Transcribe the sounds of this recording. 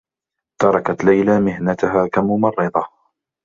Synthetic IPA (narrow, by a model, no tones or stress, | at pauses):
t̪ɑɾˤɑkat̪lajlamɪɦnat̪ʊɦaːkamʊmɑrˤːɨd̪ˤɑ